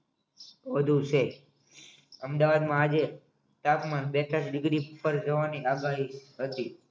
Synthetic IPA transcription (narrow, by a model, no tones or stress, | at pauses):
ʋəd̪ʱũt͡ʃʰe | əmd̪aʋad̪mãːd͡ʒe | t̪apmanbet̪asɖɪɡɾipəɾd͡ʒəʋaniaɡaɦiɦət̪i